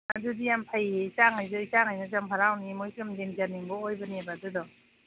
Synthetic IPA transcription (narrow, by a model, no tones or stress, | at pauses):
nadudijampʰajeisaŋajzɯisaŋajnazampʰaɾawnimojsɯmzeŋzaniŋbɔojbanebadudɔ